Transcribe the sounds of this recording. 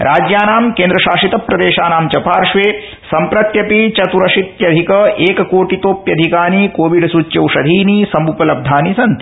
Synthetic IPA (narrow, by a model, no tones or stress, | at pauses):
ɾʔaːd͡ʒjaːnaːmkeːnd̪ɾɐʃaːʃit̪ɐpːɾɐd̪eːʃaːnaːmt͡ʃɐpaːɾʂʋeː | sɐmpɾɐt̪jɐpit͡ʃɐt̪uɾɐʃit̪jɐd̪ʱikɐʔeːkɐkoːʈit̪oːpjɐd̪ʱikaːnikoːʋiɖsuːt͡ʃjɐwʂɐd̪ʱiːniːsɐmbupɐlɐb̚d̪ʱaːnisɐnt̪i̥